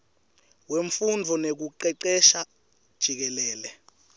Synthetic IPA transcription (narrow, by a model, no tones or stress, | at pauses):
weɱfundʱɔnek̬uǃɛǃɛʃa | d̥ʒ̥ʱik̬ɛlɛːlɛ